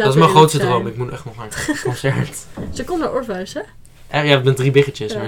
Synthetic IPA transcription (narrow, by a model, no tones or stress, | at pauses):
dɑtɪsmɛχrowtstədrowmɪkmutnʔɛχtnɔχankɔnsɛɹtsəkɔnəʔɔɹfaɥsɛ | ʔɛjaːbɛndribɪχət͡ʃəsma